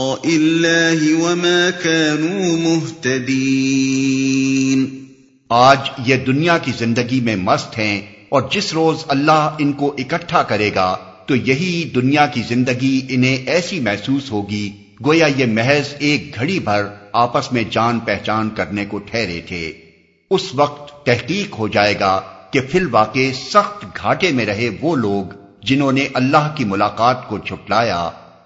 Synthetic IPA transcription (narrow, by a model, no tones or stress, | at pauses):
ʔɪlːaːɦɪwɐmaːkaːnuːmʊɦt̪ɐd̪iː | n | aːd͡ʒjed̪ʊnijakizɪ̃nd̪əɡimẽmɐst̪ɦɛ̃ | ɔːɾd͡ʒɪsɾoːzɐlːaɦɪnkoʔɪkəʈʰːakɐɾeːɡa | t̪ojɐɦid̪ʊnijakizɪ̃nd̪əɡiɪnɦẽʔɛːsimɛɦsuːsɦoːɡi | ɡoːjajemɛɦɛzeːk̚ɡʱɐɽibʱɐɾaːpəsmẽd͡ʒaːnpɛɦt͡ʃaːnkɐɾnekoʈʰɛːɾḛt̪ʰḛː | ʊsʋɐq̚t̪ːɛɦqiːqɦod͡ʒaːeːɡaːkepʰɪlʋaːqesɐxt̪ɡʱaːʈemẽɾɐɦeʋoloːɡ | d͡ʒɪnɦõːneʔɐlːaːɦkimʊlaːqaːt̪kod͡ʒʰʱʊʈlaːja̰ː